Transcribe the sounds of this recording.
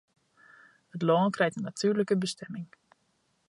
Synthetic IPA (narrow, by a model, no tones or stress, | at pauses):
hətlɔːnkrɛjtənːatyːɹləkəbəstɛmɪŋ